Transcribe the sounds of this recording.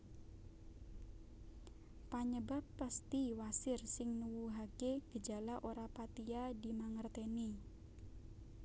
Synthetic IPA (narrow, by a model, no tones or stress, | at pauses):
paɲəbapːast̪iwasɪrsɪŋnuwuɦakeɡ̥əd͡ʒa̤laʔoɾapat̪iadi̤maŋərt̪eni